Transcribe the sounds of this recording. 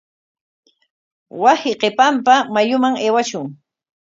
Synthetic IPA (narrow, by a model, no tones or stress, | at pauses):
wasɪqepampamajʊmaŋeːwaʃʊŋ